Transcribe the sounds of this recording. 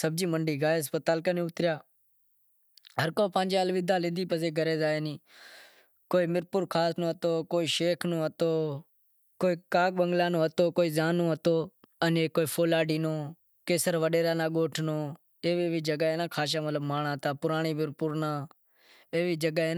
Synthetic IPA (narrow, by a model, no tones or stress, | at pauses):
səb̚d͡ʒiːməɳɖiːɡaːjəspət̪aːlkənẽːʊt̪ɾɪjaː | ɦəɾkoːpãːnd͡ʒaːlʋɪd̪aːlɪ̃nd̪iːpəseːɡəɾeːzaːeːnĩː | koːiːmɪɾpʊɾkʰaːsnõːɦət̪oːkoːiːʃeːkʰnõːət̪oː | koːiːkaːk̚ɓəŋɡlaːnõːɦət̪oːkoːiːzaːnːõːɦət̪oːəneːkoːiːpʰoːlaːɖiːnoː | keːsəɾʋəɗeːɾaːnaːɠoːʈʰnoː | eːʋeːʋiːd͡ʒəɡaːɦeːnãːkʰaːʃ̬ãːmət̪ləbmaːɳãːɦət̪aːpʊɾaːɳiːmɪɾpʊɾnaː | eːʋiːd͡ʒəɡaeːnː